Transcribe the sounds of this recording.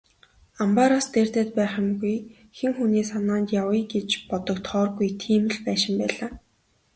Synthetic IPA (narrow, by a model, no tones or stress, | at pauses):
ampaɾast̪ert̪eːt̪̚pæːχə̆mɡuj | xeŋxuniːsanaːnt̪jawə̆jɡet͡ɕpɔt̪ɞ̆kt̪χɔːrɡujt̪ʰiːmɘ̆ɮpæːʃɪ̆mpæːɮaː